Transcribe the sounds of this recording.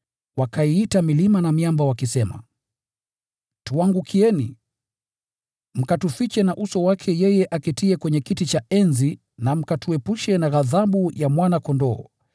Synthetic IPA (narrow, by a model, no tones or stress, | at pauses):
wakʰaiitamilimanamiambawakisɛma̰ | tuaŋɡukʰiɛnḭ | m̩katufit͡ʃɛnaʔusɔwakʰɛjɛjɛʔakɛtiɛkwɛɲɛkitit͡ʃaʔɛnzi | nam̩katuɛpuʃɛnaɣaðaɓujamwanakɔndɔː